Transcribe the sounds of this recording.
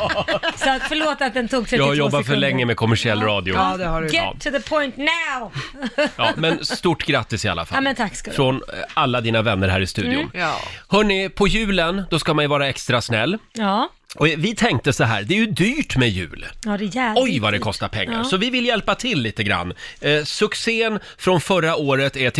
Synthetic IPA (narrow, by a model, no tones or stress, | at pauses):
sɔat̪fəɭoːt̪at̪̚d̪ɛnt̪ʰuːɡsɛjaːɡhaɾjɔbːat̪fœɭɛŋːəmɛkʰɔmæʂɪɛlːɾɑːd̪ɪʊd̪ɛaɡɛ̰ːðəpʰɔjnt̪naʊjɑ̰ːmɛnst̪uʈːɡɾat̪ːɪsɪa̰lːa̰fa̰mɛnt̪ʰakskfɾɔnalːad̪iːnavɛnːəɾhæ̰ːɾɪst̪ʉ̟ːd̪ɪʊ̰nhœːɳɪpʰɔjʉ̟ːlənd̪ɔskamanjɵvɑːɾaɛkst̪ɾasnɛlː | ɔvɪt̪ʰɛŋk̚t̪əsɔɦæ̰ːɾd̪ɛɛjɵd̪yːʈmɛjʉ̟̰ːld̪ɛjæɔjvad̪ɛkʰɔst̪aɾpʰɛ̰ŋːa̰ɾsɔvɪvɪlːjɛlpat̪ʰɪlːiːt̪əɡɾa̰nːsɵkseːən | fɾɔnfœɾaoːɾət̪ɛʈʰ